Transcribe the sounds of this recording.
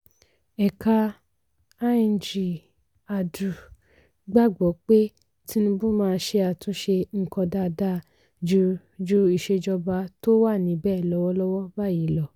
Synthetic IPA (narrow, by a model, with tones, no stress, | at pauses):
ɛ˨ka˧ | a˦i˧˨d͡ʒi˨ | a˨du˨ | ɡ͡ba˦˨ɡ͡bɔ˨˦k͡pe˦ | tʰi˦nũ˧bũ˦mãː˦˧˦ʃe˧a˨tũ˨˦ʃe˧ŋ̩˨kɔ̃˧da˦˨da˦˨ | d͡ʒu˧ | d͡ʒu˦i˨ʃe˧d͡ʒɔ˧ba˧to˦wa˦˨nĩ˨˦bɛː˦˨lɔ˦wɔ˦lɔ˦wɔ˦ba˦˨ji˨˦˨lɔ˨